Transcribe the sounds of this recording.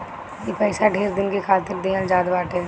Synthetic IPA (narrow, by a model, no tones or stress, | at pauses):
jipɛːsaɖʱeːɾd̪ɪnkekʰaːt̪ɪɾd̪eːəld͡ʒaːd̪baːʈʰeː